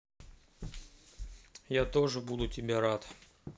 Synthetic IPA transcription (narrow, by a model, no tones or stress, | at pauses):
jat̪o̞ʐɨbud̪ʊtʲɪbʲeɾat̪